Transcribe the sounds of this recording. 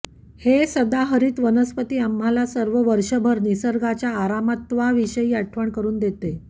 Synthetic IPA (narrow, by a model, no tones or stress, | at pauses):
hesəd̪aɦəɾiːt̪ʋənəspət̪iːamɦalasəɾʋəʋəɾʂəbʱəɾnisəɾɡat͡ɕjaːɾamət̪ʋaʋiɕəiːaʈʰʋəɳkəɾuːnd̪et̪e